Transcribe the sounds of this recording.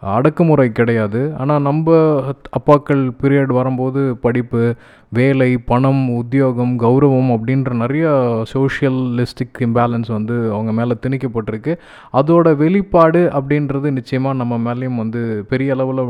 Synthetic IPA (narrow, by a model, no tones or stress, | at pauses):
ɐ̰ɽɐkːɐmɯɾɐɪkɪɽɐjaːðɯa̰ːnaːnɐmbɐɐpːaːkːɐɭpɪɾɪjaɽʋɐɾɯmpoːðɯpɐɽɪpːɯ | ʋeːlɐɪpɐɳɐmʊðɪjoːɣɐmɡɐʊɾɐʋɐmɐpːɐɽɪnrɐnɪɾɐjɐsoːʂɪjɐlːɪsʈɪkɪmbaːlɐnsʋɐnd̪ɯɐʋɐŋɡɐmeːlɐt̪ɪnɪkːɐpːɐʈːɪɾɯkːɯ | ɐðoːɽɐʋɛɭɪpːaːɽɯʔɐp̬ːɐɽɪnɾɐðɯnɪt͡ʃːɐjɐmaːnɐmːɐmeːlɐjɯmʋɐnd̪ɯpɛɾɪjɐːɭɐʋɪlɐ